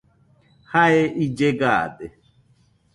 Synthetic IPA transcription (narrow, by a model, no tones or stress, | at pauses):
haeʔid͡ʒeɡa̰de